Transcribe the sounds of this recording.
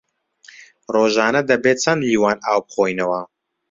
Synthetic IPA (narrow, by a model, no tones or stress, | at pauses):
roːʒaːnɐd̪ɐbeːt͡sʰɐnliːwaːnaːwb̚χoːjnɐwɐ